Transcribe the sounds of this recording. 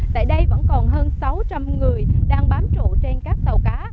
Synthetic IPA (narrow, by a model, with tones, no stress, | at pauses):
t̪a̰ː˧˨jɗə˧jvə̰˧˥nkɔ˨˩nɦəː˧nsa˨˦wt͡ɕa˧mŋɨ˨˩əjɗaː˧ŋɓaː˨˦mt͡ɕṵ˧˨t͡ɕe˧nkaː˦˥k̚t̪ə˨˩wkaː˨˦